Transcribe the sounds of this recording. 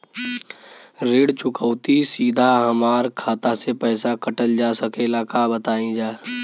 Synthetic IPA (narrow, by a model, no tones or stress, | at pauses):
ɾeːɽt͡ʃʊkəːt̪isiːd̪ʱaɦəmaːɾkʰaːt̪asepɛːsakəʈəld͡ʒaːsəkelakabət̪aːĩd͡ʒaː